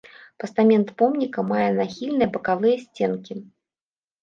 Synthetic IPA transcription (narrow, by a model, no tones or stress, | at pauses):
pɐst̪amʲɛnt̪pɔmnʲikɐmajɛnaxʲilʲnɨjɐbɐkavɨjɐsʲt͡sʲenkʲi